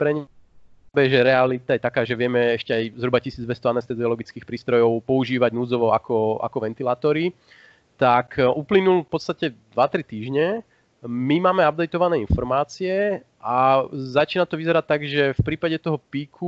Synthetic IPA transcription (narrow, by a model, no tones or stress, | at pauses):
pɾɛɲɛ | bɛʒɛɾɛalit̪ajɛt̪akaːʒɛʋɪɛmɛɛʃcɛajzɦɾubacisiːd͡zd̪ʋɛst̪ɔanɛst̪ɛziɔlɔɡit͡skiːxpɾiːst̪ɾɔjɔʊpɔuʒiːʋaɟnud͡zɔʋɔakɔʔa̰kɔʋɛnt̪ilaːt̪ɔɾi | t̪akʔuplinulfpɔt̪st̪acɛd̪ʋat̪ɾit̪iːʒɲɛ | mimaːmɛab̚d̪ɛjt̪ɔʋanɛːinfɔɾmaːt͡siɛ | ʔazat͡ʃiːnat̪ɔʋizɛɾact̪ːaɡʒɛfpɾiːpaɟɛt̪ɔɦɔpiːkʰu